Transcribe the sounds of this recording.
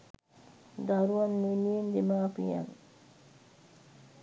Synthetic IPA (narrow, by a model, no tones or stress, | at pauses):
d̪aɾuʋɐnːeniend̪emaːpija̰n